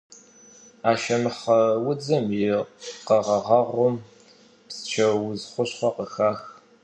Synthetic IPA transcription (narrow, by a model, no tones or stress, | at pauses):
aːʃɐmɨχɐwʊd͡zɐmjɪqɐʁɐʁɑʁʷʊm | pst͡ʃʰɐwʊzχʷʊɕχʷɔqəxaːx